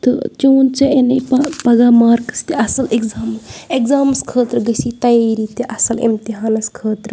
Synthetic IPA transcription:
t̪ɨ̰t͡ʃoːnt͡ʃɐenɐjppɐɡaːmaːɾkɐ̥st̪iʔɐsɐlekzaːmekzaːmɐskʰəːt̪ɾɡɐsit̪ɐjeːɾit̪iʔɐsɐlḭmt̪iɦaːnɐskʰəːt̪ɾ

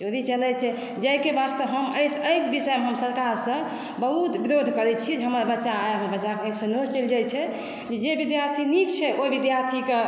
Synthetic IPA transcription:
oɾit͡ʃəlɛt͡ʃʰɛ | d͡ʒəjkebast̪əbɦəməjsəjkbisəjmeɦəmsəɾkaɾsə̃ | bəɦut̪biɾod̪ʱkəɾɛt͡ʃʰid͡ʒeɦəməɾbətːʃaajɦəbət͡ʃakeniksə̃not͡ʃeld͡ʒajt͡ʃʰɛ | d͡ʒed͡ʒebid̪jaɾt̪ʰinikt͡ʃʰɛʔoibid̪jaɾt̪ʰike

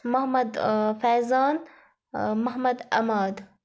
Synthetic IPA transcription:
mahmad̪fazaːn | mahmad̪ʔa̰maːd̪

